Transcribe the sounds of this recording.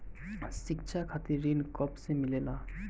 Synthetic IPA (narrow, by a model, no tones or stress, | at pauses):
sik̚t͡ɕʰakʰat̪iɾinkɔpsemilela